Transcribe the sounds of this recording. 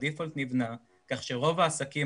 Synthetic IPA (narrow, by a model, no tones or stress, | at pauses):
d̪ifolt̪nivna | kaχʃeʁo̞vaːsaki